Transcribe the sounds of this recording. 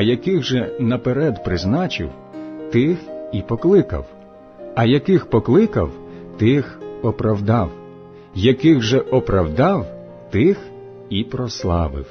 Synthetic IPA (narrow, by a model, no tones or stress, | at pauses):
ɐjɐkɪɣʒɛnɐpeɾɛd̪pɾɪznɑt͡ʃɪ̰w | t̪ɪxipɔklˠɪkɐ̰w | ɐjɐkɪxpɔklˠɪkɐ̰wt̪ɪxɔpɾɐwd̪ɑw | jɐkɪɣʒɛʔɔpɾɐwd̪ɑw | t̪ɪx | ipɾɔslˠɑ̰ʋɪ̰w